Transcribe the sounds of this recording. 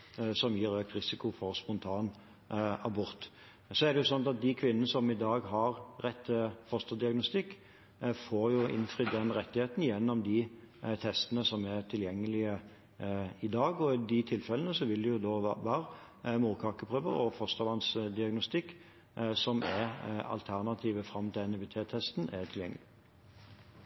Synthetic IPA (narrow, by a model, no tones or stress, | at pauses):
sɔmjiːɾøːk̚t̪ɾɪsɪkʊfɔʁspɔnt̪ʰɑːn | ɑbʊɾt̪ | sɔɛd̪ɛjʊsɔnt̪ɑt̪̚d̪ɪkʰʋɪnːənəsɔmɪd̪ɑːɡɦɑʁɾɛt̪ːəfɔst̪ɑd̪ɪɑɡnʊst̪ɪkː | foːɾjʊʔɪ̰nfʁɪd̪ɛnɾɛt̪ːɪheːt̪njɛnːɔmd̪ɪ | t̪ʰɛst̪ənəsɔmɛʁt̪ʰɪljɛŋːəlɪə | ɪd̪ɑːɡɔɪd̪ɪt̪ʰɪlfɛlənəsɔʋɪld̪ɛjʊd̪oːʋæːɾ | muːʁkʰɑːkəpʰʁøːʋə̰ɾɔ̰fɔst̪ɑʋɑnsd̪ɪɑɡnʊst̪ɪkː | sɔmʔɛɾɑ̰lt̪ʰæʁnɑt̪ʰiːʋəfɾɑmːt̪ɛnbɪt̪ʰeːt̪ʰɛst̪nɛt̪ʰɪljɛ̰ŋːəlɪ